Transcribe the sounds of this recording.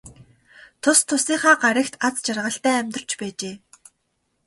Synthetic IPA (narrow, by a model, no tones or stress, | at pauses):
t̪ʰʊst̪ʰʊsiːχaːɢaɾʲə̆kt̪ʰat͡st͡ɕarʁə̆ɬt̪æːæmʲt̪r̥t͡ɕpæːt͡ɕeː